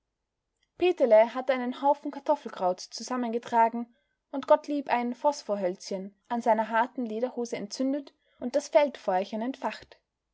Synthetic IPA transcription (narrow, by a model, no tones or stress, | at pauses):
peːtəlɛɦatʔaɪnənhaʊfn̩kʰaɐtʰɔfl̩ɡʁ̥aʊt͡st͡suzamənɡətʁ̥aːɡŋ̩ | ʔʊntɡ̥ɔtliːpʔaɪnfɔsfoːɐɦœlt͡sçənʔanzaɪnɐɦaɐtn̩leːɾɐhoːzəɛ̰ntt͡sʏndət | ʔʊnt̚d̥asfɛltfɔɪçənɛntfaχt